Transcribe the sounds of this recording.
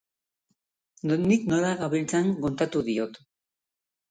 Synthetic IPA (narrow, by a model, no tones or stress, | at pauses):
nonikno̞ɾaɣaβilt͡saŋɡont̪at̪uðio̞t̪